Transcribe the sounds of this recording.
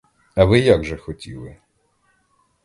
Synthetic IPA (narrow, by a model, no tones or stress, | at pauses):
ɐʋɪjaɡʒɛxɔtʲḭlˠɪ